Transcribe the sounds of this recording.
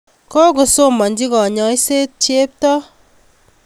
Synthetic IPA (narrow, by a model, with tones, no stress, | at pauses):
kɔ˦ɡo˨so˦mɔ˨n̩˦d͡ʒi˦kɔ˨ɲɔ˨i˦se˦t̚t͡ʃe˦p̚tɔ˦